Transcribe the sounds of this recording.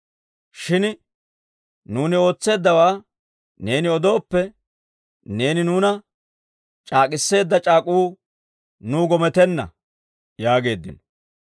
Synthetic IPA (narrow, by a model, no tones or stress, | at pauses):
ʃɪn | nuːnɪo̞ːt͡sːe̞ːd̪ːɐwaː | ne̞ːnɪɔd̪o̞ːpːɛ | ne̞ːnɪnuːnɐ | t͡ʃʼaːkʼɪsːe̞ːd̪ːɐt͡ʃʼaːkʼuː | nuːɡɔmɛt̪ɛnːɐ̰ | jaːɡe̞ːd̪ːɪ̰nɔ̥